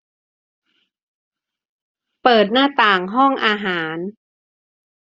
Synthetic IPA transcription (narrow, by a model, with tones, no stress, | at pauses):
pɤː˨˩t̪̚naː˥˩t̪aː˨˩ŋɦɔ˥˩ŋʔaː˧ɦaː˩˦n